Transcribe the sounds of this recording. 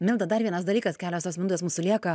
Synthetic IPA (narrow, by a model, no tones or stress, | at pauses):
mʲɪlˠt̪ɐd̪ɐɾʋʲiɛnɐsd̪ɐlʲiːkɐskʲæːlʲoːst̪oːsmʲnut̪ʲeːsmuːsʊlʲiɛkɐ